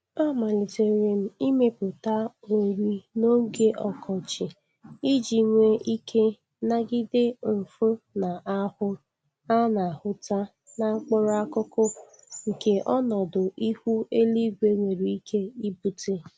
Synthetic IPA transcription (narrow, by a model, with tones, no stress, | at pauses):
a˦˨ma˨lɪ˨te˨ɾe˨m̩˦i˦me˦pʊ˨ta˦ | o˨ɾi˦no˦ɡe˦ʔɔ˨kʰɔ˨t͡ʃɪ˨ | i˦d͡ʒi˨ŋʷe˦ʔi˦kʰe˦ | na˦ɡɪ˦dɪ˦m̩˨fo˦na˨a˦hʊ˦ | a˦na˨hʊ˦ta˦ | na˨ŋ͡m̩˦k͡pʊ˦ɾa˦kʊ˦kʊ˦ | ŋ̩˨ke˨ʔɔ˦nɔ˨dʊ˨ʔi˦hu˦e˦li˦ɡʷe˦ŋʷe˨ɾi˨i˦kʰe˦i˦bu˨te˦